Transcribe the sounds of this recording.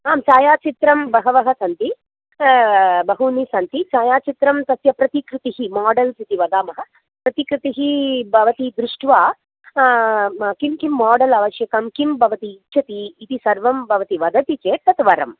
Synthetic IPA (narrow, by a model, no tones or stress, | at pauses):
aːmt͡ʃaːjaːt͡ʃit̪ɾɐmbɐɦɐʋɐɦɐsɐnt̪i | bɐɦunisɐnt̪it͡ʃaːjaːt͡ʃit̪ɾɐmt̪ɐsjɐpɾɐt̪ikɾut̪iɦimaːɖɐlsit̪iʋɐd̪aːmɐɦɐ̆ | pɾɐt̪ikɾut̪iɦibʱɐʋɐt̪id̪ɾuʂʈʋaː | kimkimːaːɖɐlɐʋɐʃjɐkɐmkimbʱɐʋɐt̪iːtːʃʰɐt̪iːt̪isɐɾʋɐmbʱɐʋɐt̪iʋɐd̪ʱɐt̪it͡ʃeːt̪ɐt̪ʋɐɾɐ̰m